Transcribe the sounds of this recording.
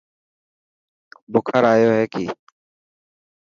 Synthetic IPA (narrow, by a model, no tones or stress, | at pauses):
bʊkʰəɾaːjoːɦɛːkiː